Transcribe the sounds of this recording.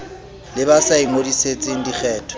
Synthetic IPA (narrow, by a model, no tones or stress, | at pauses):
lɪbasaiŋodiset͡sʼɪŋ̩dik͡xʰɛːtʰɔ̥